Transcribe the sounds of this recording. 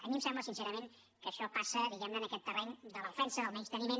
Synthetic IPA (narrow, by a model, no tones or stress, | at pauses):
ə̰mimsɛmbləsinseɾəmen | kəʃɔpasəðiɣɛmnəːnəkɛt̪ːərɛɲd̪ələðəfɛnsəðəlˠmɛt͡ʃt̪ənimen